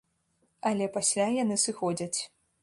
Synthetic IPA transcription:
ɐlʲɛpasʲlʲajanɨsɨxɔd͡zʲɐt͡sʲ

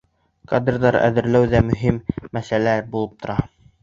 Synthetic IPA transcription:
kad̪rðɑɾæ̰ðɘ̆ɾlæwðæmɵ̆ɦimːæsælæbulˠɤp̚t̪ŏɾɑ

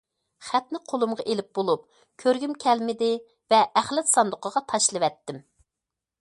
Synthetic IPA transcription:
χæt̪nɪqʰolˠumʁɑʔelɪp̚bolˠup̚ | kʲʰøɾɡʲymkʲʰɛlmɪd̪ɪ | vɛæχlɛt̪sɑnd̪ʊqəʁɑt̪ʰɑʃlˠɨwɛt̪ːɪm

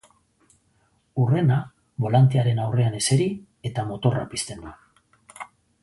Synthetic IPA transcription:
ure̞na | βo̞lant̪eaɾe̞nawre̞ane̞se̞ɾi | e̞t̪amo̞t̪o̞ra̰pist̪e̞nd̪u

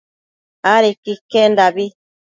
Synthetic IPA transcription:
aɾekikːendabi

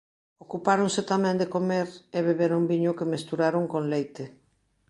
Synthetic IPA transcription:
okupaɾoŋset̪amɛ̃nd̪ekomeɾeβeβeɾumbiɲʊkemest̪uɾaɾoŋkoŋlejt̪e

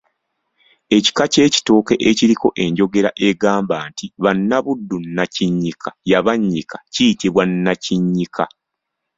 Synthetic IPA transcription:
e̞ci̥kace̞ːci̥to̞ːke̞ʔeciɾiko̞ʔe̞ɲɟo̞ɡe̞ɾaʔe̞ɡaːmbaːntiβanːaβudːunːaciɲːikʰḁjaβaɲːikḁcijitiβwanːaciɲːikʰa

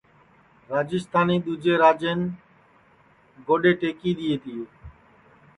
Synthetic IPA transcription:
ɾaːd͡ʒɪst̪ʰaːniːd̪uːd͡ʒeːɾaːd͡ʒeːn | ɡoɖeːʈeːkiːd̪ijeːt̪ʰijeː

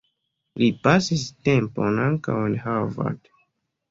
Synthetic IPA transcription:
lipasistemponaŋka̰wenhava̰d

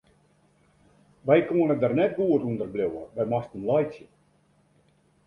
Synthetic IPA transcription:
ʋɛjkuənədarnɛt̚ɡuətundərblʲowə̰bɛjmastənlɑjt͡sjə

